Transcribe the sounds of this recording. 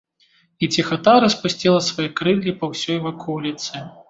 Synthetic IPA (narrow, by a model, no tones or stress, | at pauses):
it͡sʲixɐt̪aɾɐspusʲt͡sʲilˠɐsvɐjɛkɾɨlʲːipɐwsʲɔjvakʰɔwlʲit̪sɨ